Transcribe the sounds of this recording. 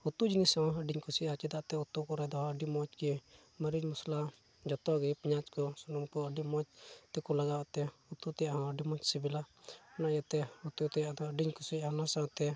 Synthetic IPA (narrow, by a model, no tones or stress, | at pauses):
ut̪ud͡ʒinisaɔ̃əɖiɲkusiat͡ʃɛd̪aʔt̪ɛut̪ukɔɾɛd̪ɔəɖimɔt͡ʃki | məɾiɲmusla | d͡ʒɔt̪ɔɡipiɲat͡ʃkɔsɔnɔŋkɔəɖimɔt͡ʃt̪ɛkɔlaɡawaʔt̪ɛut̪ut̪ɛjaʔhãəɖimɔt͡ʃsibilaɔnaʔjat̪ɛut̪ut̪ɛjaʔd̪ɔəɖiɲkusiɦanasaɔ̃t̪ɛ